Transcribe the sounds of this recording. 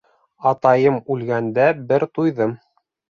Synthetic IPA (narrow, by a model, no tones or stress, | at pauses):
ɑt̪ɑjɤmʉlɡænd̪æbɘɾt̪ujðɤm